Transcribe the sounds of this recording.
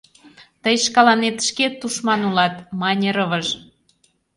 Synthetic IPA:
t̪əjʃkɑlɑnet̪ʃket̪ːuʃmɑnulɑt̪mɑnʲeɾəβəʒ

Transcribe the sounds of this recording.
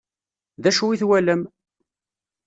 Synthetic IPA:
ðæʃuiθwæləm

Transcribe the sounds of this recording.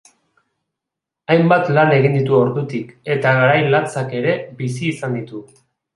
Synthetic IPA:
ajmbat̪lane̞ɣ̞ind̪it̪uo̞ɾðut̪ike̞t̪aɣaɾajlant͡sake̞ɾe̞bisiːsand̪it̪u

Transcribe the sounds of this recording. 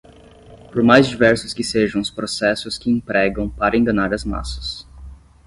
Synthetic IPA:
poɾmajzd͡ʒivɛɾsʊskɪseʒɐ̃w̃ʊspɾosɛsʊskɪẽpɾɛɡɐ̃w̃paɾɐẽŋɡɐnaɾɐzma̰sɐ̥s

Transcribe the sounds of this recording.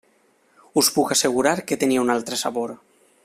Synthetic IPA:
uspukaseɣ̞uɾaɾket̪enieunalt̪ɾesaβoɾ

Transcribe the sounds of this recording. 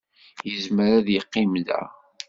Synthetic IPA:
jəzməɾæðjəqːimðæ̰

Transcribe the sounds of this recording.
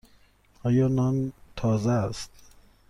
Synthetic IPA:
ɒːjɒːnɒnt̪ʰɒːzæst̪̚

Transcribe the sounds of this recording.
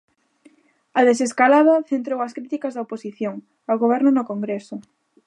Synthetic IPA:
ɐðes̬eskalað̞ɐθent̪ɾowɐskɾit̪ikɐzðɐoposiθjoŋ | aoɣoβ̞ɛɾnʊnokoŋɡɾesʊ

